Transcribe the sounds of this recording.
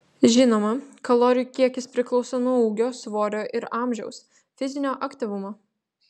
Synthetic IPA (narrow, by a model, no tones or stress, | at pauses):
ʒʲɪnoːmɐkɐlˠoːɾʲɪjukʲiɛkʲɪspʲɾʲɪklˠɒʊsɐnuɔuːɡʲoːsʋoːɾʲoːʔɪɾɑːˑmʲʒʲɛ̰ʊs | fʲɪzʲɪnʲoːʔɐkʲt̪ʲɪʋʊmoː